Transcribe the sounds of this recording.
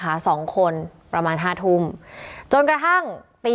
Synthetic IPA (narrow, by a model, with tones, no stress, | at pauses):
aː˩˦˥sɔː˩˦ŋkʰo˧npɾa˧maː˧nɦaː˥˩t̪ʰu˧˩mt͡ɕo˧nkɾa˧t̪ʰa˥˩ŋt̪iː˧